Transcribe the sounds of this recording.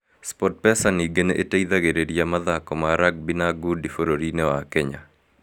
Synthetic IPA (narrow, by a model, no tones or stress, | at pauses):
spɔt̚pɛsaniɡeneʔeteid̪aɡeɾeɾjamaðakɔmaɾak̚binaɡudifoɾoɾinewakɛɲa